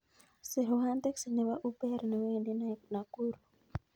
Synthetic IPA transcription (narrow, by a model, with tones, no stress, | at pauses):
se˨ɾo˨ɦa˦nt̪ɛ˦ksnɛ˨wa˦ʔu˦pɛ˦ɾni˨we˦˨nde˦na˨ku˦ɾu˨